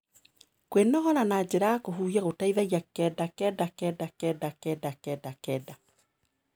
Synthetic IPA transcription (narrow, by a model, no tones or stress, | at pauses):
kwenɔɦɔɾanad͡ʑeɾaːkoɦuːɣiaɣotaiðaiakɛdakɛdakɛdakɛdakɛdakɛːdakɛda